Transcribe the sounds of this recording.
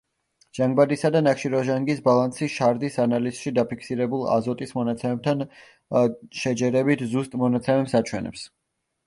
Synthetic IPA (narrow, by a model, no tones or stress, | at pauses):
ʒ̥aŋɡbad̪isad̪anakʃiɾɔʒaŋɡisbalˠansiʃaɾd̪isanaliz̥ʃid̪apikʰsiɾɛbulˠa̰zɔt̪ʼismɔnat̪sʰɛmɛb̚t̪ʰan | ʃɛd͡ʒɛɾɛbit̪ʰzust̪ʼmɔnat̪sʰɛmɛpsat͡ʃʰwɛnɛ̰ps